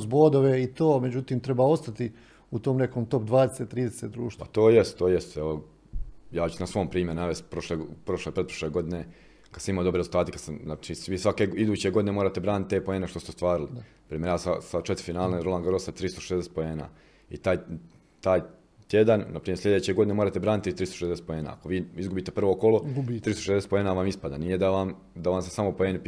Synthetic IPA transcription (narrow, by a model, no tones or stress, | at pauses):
sboːd̪oʋeit̪oːmed͡ʑut̪iːmt̪ɾebaːo̞st̪at̪i | ut̪oːmnekoːmt̪o̞p̚d̪ʋaːd̪eset̪ːɾiːd̪eset̪d̪ɾuːʃt̪pa̰t̪oːjest̪t̪ːoːjest̪ɛʋo | jaːt͡ʃu̥snasʋo̞ːmpɾiːmje̞ɾunaʋe̞st̪pɾoʃleɡpɾo̞ʃlˠepɾepɾoʃleɡo̞d̪ine | kad̪samimaoobɾeezulˠt̪aːt̪ekad̪samat͡ʃiʋiːsʋake̞id̪uːt͡ɕeɡo̞d̪ine̞moɾaːt̪ebɾaːnt̪̚t̪ːepo̞eːneʃt̪o̞st̪est̪ʋaːɾilinapɾiːmʲjeɾjaːsasat͡ʃet̪ɾifinaːlneɾolˠaŋɡaɾosat̪ɾiːst̪oʃezd̪ese̥t̪poeːna̰ː | ḭt̪aːj | t̪aːj | t̪jed̪annapɾiːmesʎʲed̪eːt͡ɕe̞ɡo̞d̪ineoːɾaːt̪ebɾaːnit̪ːist̪ɾist̪oʃezd̪eset̪poeːna̰ːa̰koʋiːizɡubiːt̪e̞pr̩ʋo̞koloɡt̪ɾiːst̪oʃezd̪eset̪poe̞ːnaːʋamispad̪a̰nijed̪aʋam | d̪aʋamsesamopoeːne